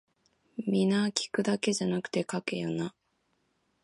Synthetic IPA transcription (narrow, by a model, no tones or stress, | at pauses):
mʲinakʲi̥kɯ̟d̪ake̞ʑanakɯ̟̥t̪e̞kake̞jona